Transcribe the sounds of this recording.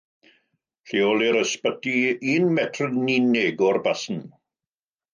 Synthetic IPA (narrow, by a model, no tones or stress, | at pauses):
ɬiɔlˠiɾəspədiiːnmɛtʰrninɪɡɔrbasn̩